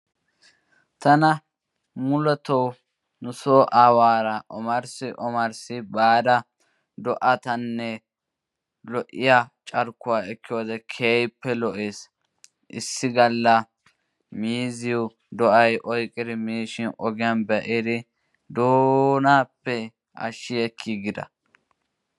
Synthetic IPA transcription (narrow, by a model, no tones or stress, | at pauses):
t̪ɐnɐ | mʊlɔt̪ɔw | nʊsoːʔaːwaːɾɐʔɔmɐɾsɪʔɔmɐɾsɪbaːd̪ɐ | d̪ɔʔɐt̪ɐnːɛ | lɔʔɪjat͡ʃʼɐɾkːʊwaːɛkːɪjoːd̪ɛkʰeːjpːɛlɔʔeːs | ʔɪ̰sːɪɡɐlːɐ | miːzɪʊ | d̪ɔʔɐjʔɔjkʼːɪd̪ɪmiːʃɪnʔɔɡɪjɐnbɛʔɪd̪ɪ | d̪oːnaːpːɛ | ʔɐ̰ʃːɪɛkʰːɪɡɪd̪ɐ̰